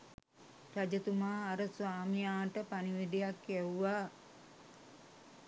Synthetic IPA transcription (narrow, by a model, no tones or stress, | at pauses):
rad͡ʒət̪umaːɾəsʋaːmijaːʈəpaniʋid̪ejakjɛwuʋa